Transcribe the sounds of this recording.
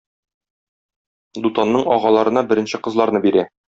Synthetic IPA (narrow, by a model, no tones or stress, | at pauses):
d̪ut̪ɑnːɤɴɒʁɑlˠɑɾɤ̆nɑbɘ̆ɾɘ̆nɕɘqɤ̆zlˠɑɾnɤbiɾæ